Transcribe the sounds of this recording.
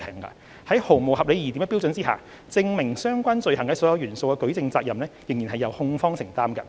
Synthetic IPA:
ɛ˨˩ŋkɐ̰˧ | hɐ˨˥jho˨˩wmo˨whɐ˨p̚le˨˧jiː˨˩t̪i˨˥mɛ˧˥pi˥wt͡sɵ˨˥nt͡siː˥ha̰ː˨ | t͡sɪ˧ŋmɪ˨˩ŋsœː˥ŋkʷaː˥nt͡sɵ˨ɥɦɐ˨˩ŋkɐ˧˥sɔː˨˥jɐ˨˧wjyː˨˩nso˧wkɛ˧kɵ˨˥ɥt͡sɪ˧ŋt͡saː˧k̚jɐ˨mnɛː˥jɪ˨˩ŋjiː˨˩nɦɐ˨jɐ˨˧whʊ˧ŋfɔː˥ŋsɪ˨˩ŋt̪aː˥mkɐ̰˧

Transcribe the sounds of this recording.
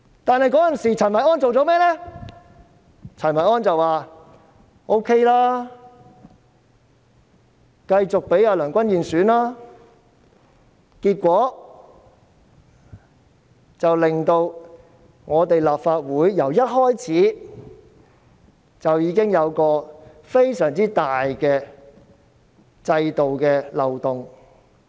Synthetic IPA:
t̪aː˨nhɐ˨jkɔː˨˥jɐ˨nsiː˨t͡sʰɐ˨˩mɐ˨˩jɔː˥nt͡so˨wt͡sɔ˨˥mɛː˥lɛː˥ | t͡sʰɐ˨˩mɐ˨˩ɔː˥nt͡sɐ˨waː˨ | ʔo˥wkʰe˥jlaː˥ | kɐ˧jt͡sʊ˨k̚pe˨˥jaː˧lœː˨˩ŋkʷɐ˥njiː˨nsyː˨˥nlaː˥ | kiː˧t̚kʷɔː˨˥ | t͡sɐ˨wlɪ˨ŋt̪o˧w | ŋɔː˨˧t̪e˨jlaː˨p̚faː˧t̚wuː˨˥jːɐ˨˩wjɐ˥t̚hɔː˥jt͡sʰiː˨˥ | t͡sɐ˨wjiː˨˧kɪ˥ŋjɐ˨˧wkɔː˧ | fe˥jsœː˨˩ŋt͡siː˥t̪aː˨jkɛː˧ | t͡sɐ˧jt̪o˨wkɛː˧lɐ˨wt̪ʊ˨ŋ

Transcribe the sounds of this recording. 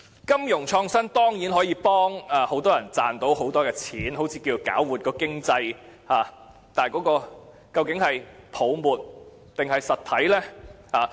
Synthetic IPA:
kɐ˥mjʊ˨˩ŋt͡ʃʰɔː˧ŋsɐ˥nt̪ɔː˥ŋjiː˨˥nɦɔː˨˥jiː˧pɔː˥ŋa˨ho˨˥wt̪ɔː˥jɐ˨˩nt͡saː˨nt̪o˨˥who˨˥wt̪ɔː˥kɛː˧t͡sʰiː˨˥nɦo˨˥wt͡sʰiː˧kiː˧t͡ʃo˨˩ka̰ː˨˥wwuː˨˩t̚kɔː˧kɪ˥ŋt͡sɐ˧j | haː˨ | t̪aː˨˩jkɔː˨˥kɔː˧ | kɐ˧wkɪ˨˥ŋhɐ˨jpʰo˨˧wmuː˨t̚ | t̪ɪ˨ŋhɐ˨jsɐ˨t̪ʰɐ˨˥jlɛː˥haː˨˩

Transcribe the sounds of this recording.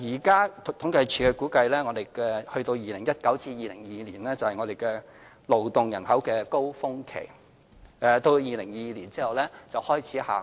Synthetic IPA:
jiː˨˩kaː˥t̪ʰʊ˨˥ŋkɐ˧jt͡ʃʰyː˨˥kɛ˧kuː˨˥kɐ˧jlɛː˥ŋɔː˨˧d̪e˨jkɛː˧hɵ˧ɥt̪o˧wjiː˨˩lɪ˨˩ŋjɐ˥t̚kɐ˨˥wt͡siː˧jiː˨˧lɪ˨˩ŋjiː˧liː˨˩nlɛː˥t͡sɐ˨whɐ˨jŋɔ˨˧d̪e˨jkɛː˧ | lo˨˩wt̪ʊ˨ŋjɐ˨˩nhɐ˨˥wkɛː˧ko˥wfʊ˥ŋkʰḛ˨˩j | ɛː˨˩t̪o˧wjiː˨˧lɪ˨˩ŋjiː˨˧liː˨˩nt͡siː˥hɐ˨˩wlɛː˥t͡sɐ˨whɔː˥jt͡sʰiː˨˥ha̰ː˨

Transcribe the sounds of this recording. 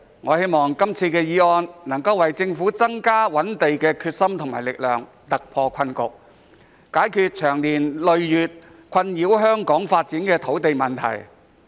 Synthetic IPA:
ŋɔː˨˧he˥jmɔː˨ŋkɐ˥mt͡sʰiː˧kɛː˧jiː˧ɔː˧nnɐ˨˩ŋkɐ˧wɐ˨jt͡sɪ˧ŋfuː˨˥t͡sɐ˥ŋkaː˥wɐ˨˥nt̪e˨jkɛː˧kʰyː˧t̚sɐ˥mt̪ʰʊ˨˩ŋma̰ː˨˩jlɪ˨k̚lœː˨˩ŋ | t̪ɐ˨k̚pʰɔː˧kʰɐ˧nkʊ̰˨k̚ | kaː˨˥jkʰyː˧t̚t͡ʃʰœː˨˩ŋliː˨˩nlɵ˨ɥjyː˨t̚ | kʷʰɐ˧njiː˨˥wɦœː˥ŋkɔː˨˥ŋfaː˧t̚t͡siː˨˥nkɛː˧t̪ʰo˨˥wt̪e˨jmɐ˨˩nt̪ʰɐ̰˨˩j

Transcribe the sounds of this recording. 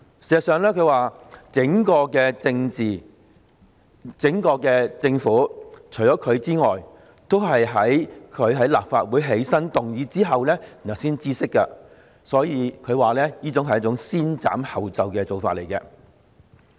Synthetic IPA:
si˨˩ɐ˨sœː˨˧ŋlɛː˥kʰɵ˨˧waː˨t͡sɪ˨˥ŋkɔː˧kɛː˧t͡sɪ˧ŋt͡siː˨ | t͡sɪ˨˥ŋkɔː˧kɛː˧t͡sɪ˧ŋfuː˨˥t͡ʃʰɵ˨˩ɥt͡sɔː˨˦˥kʰɵ˨˧ɥt͡siː˥ŋɔː˨˩j | t̪o˥wɦɐ˨jɦɐ˨˥jkʰɵ˨˧ɥɦɐ˨˥jla̰ː˨p̚faː˧t̚wuː˨˥jɦe˨˥jsɐ˥nt̪ʊ˨ŋjiː˨˧t͡siː˥ɦɐ˨wlɛː˥i˨˩nɐ˨˩wsiː˥nt͡siː˥sɪ˥kːɐ̰˧ | sɔː˨˥jiː˨˧kʰɵ˨˧ɥwaː˨lɛː˥jiː˥t͡sʊ˨˥ŋɦɐ˩jɐ˥t͡sʊ˧˥ŋsiː˥nt͡sa̰ː˨˥mhɐ˨wt͡sɐ˨wkɛː˧t͡so˨wfaː˧t̚le˨˩jkɛː˧

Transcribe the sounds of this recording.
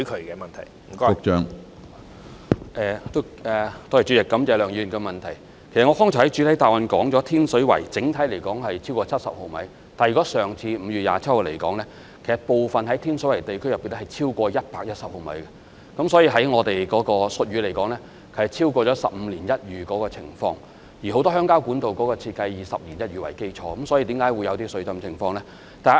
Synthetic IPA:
kʰɵ˨˧ɥkɛː˧mɐ˨nt̪ʰɐ̰˨˩j̩˨˩kːʊ˨k̚t͡ʃœː˨˥ŋ | ʔɛː˨t̪o˥ | ɛ˨t̪ɔ˥˧˥jt͡ʃy˨˥ɪ˨kːɐ˨˥mt͡sɛː˨˧lœː˨˩ŋjyː˧˨˩ŋkɛ˧mɐ˨nt̪ʰɐ˨˩j | ke˨˩sɐ˨t̚ŋɔː˨˧hɔː˥ŋt͡ʃʰɔ˨˩hɐ˨˥jt͡ʃyː˨˧˥t̪ʰɐ˨˥jt̪aː˨wɐ˨nkɔː˨˥ŋt͡sɔː˨˥t̪ʰiː˥nsɵ˨˥ɥwɐ̰˨˩jt͡sɪ˨˥ŋt̪ʰɐ˨˥jle˨˩jkɔː˨˥ŋhɐ˨jt͡sʰiː˥wkɔː˧t͡sʰɐ˥t̚sɐ̰˨p̚ho˨˧mɐ̰˨˥j | t̪aː˨njy˨kɔ˨˥sœː˨˩ŋt͡sʰiː˧m̩˨˧ɥyː˨ja̰ː˨t͡sʰɐ˥t̚ho˨˧˨le˨˩jkɔː˨˥ŋlɛː˥ | kʰe˨˩sɐ˨t̚po˨wfɐ˨nhɐ˨˥jt̪ʰiː˥nsɵ˨˥ɥwjt̪e˨jkʰjɐ˨piː˨nlɛ˥hɐ˨˩jt͡sʰiː˥wkʷɔː˧jɐ˥t̚paː˧k̚jɐ˥t̚sɐ˨p̚ho˨wmɐ̰˨˥jɡɛ˧ | kɐ˨˥msɔː˨˥jiː˧ɦɐ˨˥jŋɔː˨˧t̪e˨jkɔː˨˥kɔː˧sɵ˨t̚ɥyː˨˧le˨˩jkɔː˨˥ŋlɛː˥ | kʰe˨˩sɐ˨˩t͡sʰiː˥wkʷɔː˧t͡ʃɔː˨˥sɐ˨p̚m̩˧liː˨˩njɐ˥t̚jyː˨kɔː˨˥kɔː˧t͡sʰɪ̰˨˩ŋfɔ̰ː˧ŋ | jiː˨˩ɦo˨˥wt̪ɔ˥ɦœː˥ŋkaː˥wku˨˥nt̪o˨wkɔː˨˥kɔː˧t͡sʰiː˧t̚kɐ˧jjiː˨sɐ˨p̚liː˨˩njɐ˥t̚ɥyː˨˩wɐ̰˨˩jke˥jt͡ʃʰɔː˨˧kɐ˨˦msɔː˨˥jiː˧t̪i˨˧˥kaː˨˥jwu˨˧jɐ˨˧wt̪iː˥sɵ˨˧˥t͡sɐ˧mt͡sʰɪ˨˩ŋfɔː˧ŋlɛː˥ | t̪aː˨˩˨

